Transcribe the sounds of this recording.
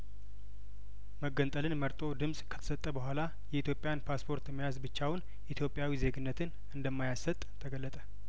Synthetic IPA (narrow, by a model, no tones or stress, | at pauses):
məɡːənt̪ʼəlɨnməɾt̪ʼo̞d̪ɨmsʼkʰə̥t̪ʰə̥sət̪ʼːəbəɦʷala | jɛit̪ʰjo̞pʼːɪjanpʰaspʰo̞ɾt̪mːəjazbɨt͡ʃːawʊn | ʔit̪ʰjo̞pʼːjawize̞ɡɨnːət̪ʰɨn | ɨnd̪əmːajasət̪ʼt̪ʰəɡəlːət̪ʼə